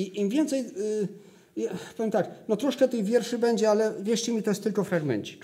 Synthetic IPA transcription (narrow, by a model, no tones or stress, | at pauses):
iimvʲjɛnt̪sɛj | japɔvʲjemt̪aknɔt̪ɾɔʂkɛt̪ɛjvʲjɛɾʂɘbɛɲd͡ʑɛalɛvʲjɛʂt͡ɕɛmʲit̪ɔjɛst̪ːɘlkɔfɾaɡmɛ̰ɲt͡ɕi̥k